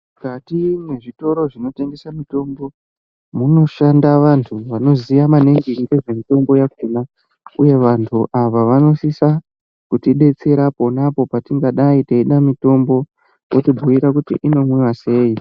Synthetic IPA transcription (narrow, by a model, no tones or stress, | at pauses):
ukatimwe̞ʐito̞ɾo̞ʐino̞te̞ŋɡe̞samito̞mbo̞ | muno̞ʃandaʋantʰuʋano̞zijamane̞ŋɡiiɡeʐe̞mito̞mbo̞jakuna | uje̞ʋantʰuʔaʋaʋano̞sisa | kutiɗe̞t͡se̞ɾapo̞napo̞patiŋɡaɗaiteiɗamito̞mbo̞ | kotibʱuiɾakutḭʔino̞mwiwase̞ːi